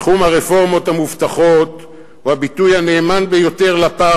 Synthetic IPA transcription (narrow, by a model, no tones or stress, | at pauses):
χumhaʁefo̞ʁmo̞t̪hamuft̪aχo̞t | ohabitujane̞ːmanbejo̞te̞ʁlapa